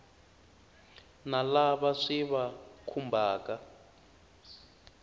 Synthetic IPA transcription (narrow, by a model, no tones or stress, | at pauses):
nalaβaʂiβakʰumbʱaːka